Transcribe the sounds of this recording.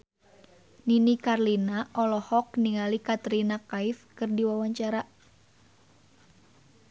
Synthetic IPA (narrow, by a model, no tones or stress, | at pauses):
ninikarlinaʔɔlɔhɔk̚niŋalikat̪ɾinakaifkɨrdiwawaɲt͡ʃaɾa